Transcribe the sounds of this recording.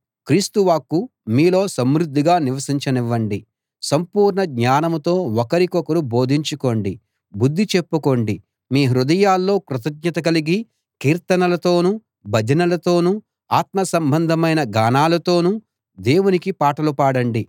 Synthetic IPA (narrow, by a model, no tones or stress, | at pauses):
kɾiːst̪uʋaːkːumiːlo̞ːsɐmɾud̪ʱːiɡaːniʋɐsiɲt͡ʃɐniʋːɐɳɖi | sɐmpuːɾɳɐɡɲaːnɐmut̪o̞ːɔkɐɾikɔkɐɾubo̞ːd̪ʱiɲt͡ʃuko̞ːɳɖi | bud̪ʱːit͡ʃe̞pːuko̞ːɳɖi | miːɦɾud̪ɐjaːlːo̞ːkɾut̪ɐɡ̚ɲɐt̪ɐk̬ɐliɡi | kiːɾt̪ɐnɐlɐt̪o̞ːnu | bʱɐd͡ʒʱɐnɐlɐt̪o̞ːnu | aːt̪mɐsɐmbʱɐnd̪ʱɐmɐjnɐɡaːnaːlɐt̪o̞ːnu | d̪e̞ːwunikipaːʈɐlupaːɽɐɳɖi